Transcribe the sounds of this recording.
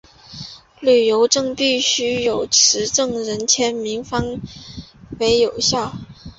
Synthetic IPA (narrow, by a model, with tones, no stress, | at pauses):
ly˨˩jo˧˥ʊʈ͡ʂɤ˥˧ŋpi˥˩ɕy˥jo˨˩ʊʈ͡ʂʰɻ̩˧˥ʈ͡ʂɤ˥˩ŋɻə˧˥nt͡ɕʰjɛ˥nmi˧˥ŋfɑ˥ŋ | we˧˥ɪjo˨˩ʊɕjɑ˥˩ʊ